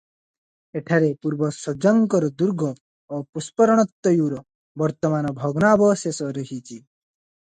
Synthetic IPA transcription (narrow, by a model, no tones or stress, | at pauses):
eʈʰaɾepuɾbɔsɔd͡ʒaŋkɔɾɔd̪uɾɡʱɔː | puspɔɾɔɽ̃ɔt̪ːɔjuːɾɔ | bɔɾt̪ɔmanɔbʱɔɡnaːbɔsesɔɾəɦit͡ʃʰi